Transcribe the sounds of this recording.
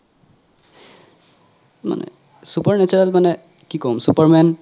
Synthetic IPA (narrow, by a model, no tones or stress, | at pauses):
ma̰nɛ̰ | supaɹnɛt͡ʃuɹalmanɛ | kikɔmsupaɹmɛn